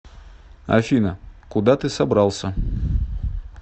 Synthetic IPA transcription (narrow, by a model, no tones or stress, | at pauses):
ɐ̰fʲinəkʊd̪at̪ɨsɐbɾalˠsʲə